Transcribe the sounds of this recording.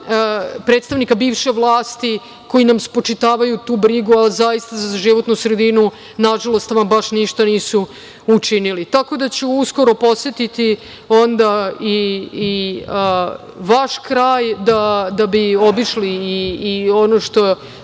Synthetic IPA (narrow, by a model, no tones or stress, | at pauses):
pɾet̪st̪aʋnikabiːʋʃeʋlˠaːst̪i | ko̞jinamspo̞t͡ʃit̪aːʋajut̪uːbɾiɡualzajist̪azaʒiʋo̞t̪nusɾed̪inu | naʒalˠo̞st̪ʋambaʃniʃt̪aniːsu | ut͡ʂinilit̪ako̞d̪at͡ɕuusko̞ɾo̞po̞set̪it̪i | ond̪aiː | ʋaʃkɾaːjd̪ad̪abiobiʃliːonoʃt̪o̞